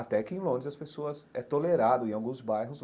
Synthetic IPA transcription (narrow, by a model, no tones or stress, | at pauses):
at̪ɛkɪẽj̃lõd̪ɾɪzɐspesoɐzɛt̪oleɾad̪ʊẽawɡũzbajɦʊz